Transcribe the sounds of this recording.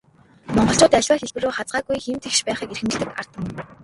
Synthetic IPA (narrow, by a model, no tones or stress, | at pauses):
mɔɴɢɞ̆ɬt͡ɕʊːt̪æɮʲwaːxeɮpɘ̆roːχat͡sɢaːɡujxem̥t̪ʰĕkʃpæːχiːkerxɘ̆mt͡ɕ̆ɮt̪ɘ̆kar̥t̪ə̆n